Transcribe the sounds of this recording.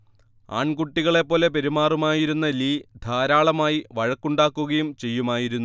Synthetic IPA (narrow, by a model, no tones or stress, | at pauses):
a̰ːɳkuʈːiɣɐɭe̞pːo̞ːle̞peɾimaːrumaːjiɾunːɐliːd̪ʱaːɾaːɭɐmaːjiʋɐɻɐkːuɳɖaːkːuɣɐjumt͡ɕe̞jːumaːjiɾunːu